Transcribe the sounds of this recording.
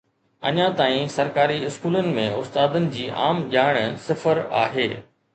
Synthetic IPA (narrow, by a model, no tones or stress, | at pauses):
ɐ̰ɲãt̪aːĩsɐɾkaːɾiɪskuːlənɪ̆mẽʊst̪aːd̪ənɪ̆d͡ʑiːʔa̰ːmʄaːɪɽ̃sɪfəɾa̰ːɦeː